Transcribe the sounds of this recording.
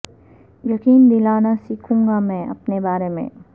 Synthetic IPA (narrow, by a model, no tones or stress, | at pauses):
jɐkiːnd̪ɪlaːnasiːkʰũːŋɡamɛ̃ːʔɐ̰pnebaːɾemḛ̃ː